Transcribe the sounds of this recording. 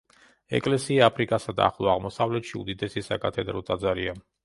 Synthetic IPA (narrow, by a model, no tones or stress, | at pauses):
ɛ̰kʼlɛsiaapʰɾikʼasad̪a̰ːχlˠɔaʁmɔsavlɛt̪ʃiud̪id̪ɛsisa̰kʰʼat̪ʰɛd̪ɾɔt̪ʼad̪zaɾia